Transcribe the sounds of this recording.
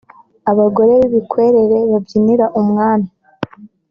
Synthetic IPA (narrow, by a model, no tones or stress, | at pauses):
aβaɡo̞ɾe̞βiβikwe̞ːɾe̞ɾe̞βavjiniɾaʔumŋaːna